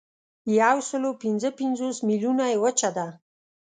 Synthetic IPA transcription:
jawsəlopɪnzəpɪnzosmilunajewət͡ʃad̪a

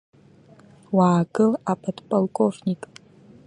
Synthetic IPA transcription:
waːɡɨlapʰɐdpʼolkʼofnikʼ

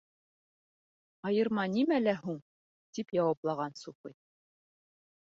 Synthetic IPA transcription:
ɑjɤ̆ɾmɑnimælæhuɴ | t̪ipjɑwɑplˠɑʁɑnsufɤj

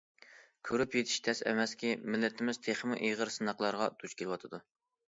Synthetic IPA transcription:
kʲʰøɾypjet̪ʰɪ̥ʃt̪ʰɛsɛ̰mɛskʲimɪlːɪt̪ʰɪmɪz̥t̪ʰeχmɨʔiʁəɾsɨnɑqlˠɑɾʁɑt̪ʰut͡ʃkʲʰelwɑt̪ʰɨd̪u

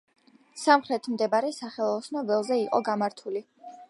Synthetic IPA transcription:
samχɾɛt̪ʰmd̪ɛbaɾɛsaχɛlˠɔsnɔbɛlˠzɛiqʼɔ̰ɡamaɾt̪ʰuli

